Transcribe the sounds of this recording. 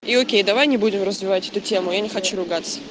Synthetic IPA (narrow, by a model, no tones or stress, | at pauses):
iokʲejd̪ɐvajnʲɪbudʲɪmrəzvʲɪvatʲɛt̪ʊtʲe̞mʊjanʲɪxɐt͡ɕuɾʊɡat̪sə̥